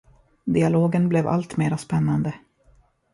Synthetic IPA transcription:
d̪ɪaloːɡənblɛva̰lt̪meːɾaspɛnːand̪ə

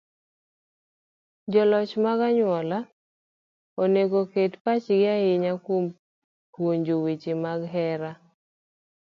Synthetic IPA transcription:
d͡ʒɔlɔt͡ʃmaɡaɲwɔla | oneɡoketpat͡ʃɡɪaɪɲakom | pwoɲd͡ʒowit͡ʃɪmaɡɦɛɾa

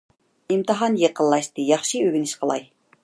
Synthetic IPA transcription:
imt̪ɨɦɑnjəqə̆lˠːɑʃt̪ɨjɑχʃiøɡʲinɪʃqʰəlˠɑj

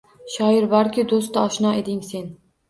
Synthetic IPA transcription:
ʃɒɪɾbɒɾkʲʰɪd̪ost̪aɒʃnɒe̞d̪ɪŋse̞n

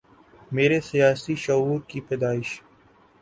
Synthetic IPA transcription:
meːɾesijaːsiʃɐɦuːɾkipɛːd̪aːɪʃ

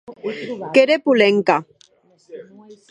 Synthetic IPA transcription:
keɾepuleŋka

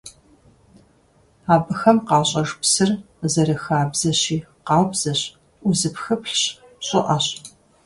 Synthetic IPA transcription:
aːbɨxɐmqɑːɕʼɐʐpsɨr | zɐɾɨxaːbzɐɕiː | qɑːwbz̥ɐɕ | uzɨpxɨpɬɕ | ɕʼɪʔɐɕ

